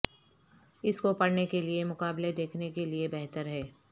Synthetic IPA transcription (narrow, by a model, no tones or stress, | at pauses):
ɪskopɐɽnekeliemʊkaːbled̪eːkʰnekeliebɛɦt̪əɾɦɛː